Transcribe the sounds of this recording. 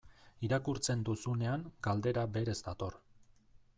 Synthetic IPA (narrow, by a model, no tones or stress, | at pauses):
iɾakuɾt͡se̞nd̪usune̞aŋɡ̥ald̪e̞ɾabe̞ɾe̞zd̪at̪o̞r